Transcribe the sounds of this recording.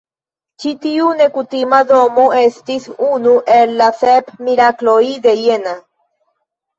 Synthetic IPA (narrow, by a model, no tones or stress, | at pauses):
t͡ʃit̪iunekut̪imad̪omoest̪isunuʔeɾlaθepmiɾakloid̪ejena